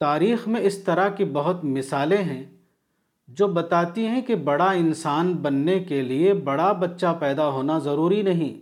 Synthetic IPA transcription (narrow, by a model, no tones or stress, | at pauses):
t̪aːɾiːxmẽɪst̪ɐɾakibɐɦʊt̪mɪsaːlẽɦɛ̃ | d͡ʒoːbɐt̪aːt̪iɦɛ̃kebɐɽaɪnsaːnbɐnːekeliebɐɽabɐtːʃapɛːd̪aɦoːnazɐɾuːɾinɐɦĩː